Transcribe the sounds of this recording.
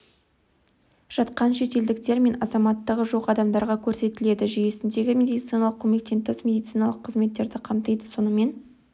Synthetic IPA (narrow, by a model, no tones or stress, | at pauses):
ʒ̥ɑt̪qɑnʃe̞t̪e̞ld̪ɪkt̪e̞ɾme̞nɑzɑmɑt̪ːəʁəʒoqɑd̪ɑmd̪ɑɾʁɑkʲʰɵɾse̞t̪ɪle̞d̪ɪʒʏje̞sɪnd̪e̞ɡʲɪmʲe̞d̪ijt̪sijnɑlˠəq̚kʲʰɵme̞k̚t̪ent̪ːesmʲe̞d̪ijt̪sɨjnɑlˠəqʰːəzme̞t̪ːe̞ɾd̪ɪqʰɑmt̪əjd̪əso̞nəme̞n